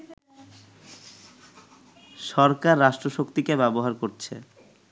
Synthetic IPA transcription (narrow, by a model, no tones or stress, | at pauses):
ʃɔɾkaɾːaʃʈɾoʃokt̪ikebɛboɦaɾkoɾt͡ɕʰḛ